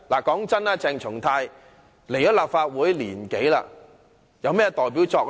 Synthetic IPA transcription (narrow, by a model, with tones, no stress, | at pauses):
laː˨˩kɔː˨˥ŋt͡sɐ˥naː˧t͡sɛː˧ŋt͡ʃʰʊ˨˩ŋt̪ʰaː˧j | le˨˩jɔː˨˥laː˨˩p̚faː˧t̚wuː˨˥jliː˨˩nke˨˥jla̰ː˧ | jɐ˨˧wmɛː˥t̪ɔː˨jpiː˨˥wt͡sɔː˧k̚